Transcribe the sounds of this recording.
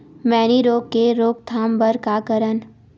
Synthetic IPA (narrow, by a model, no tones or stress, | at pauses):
mɛːniɾoːkkːeɾoːk̚t̪ʰaːmbəɾkakəɾən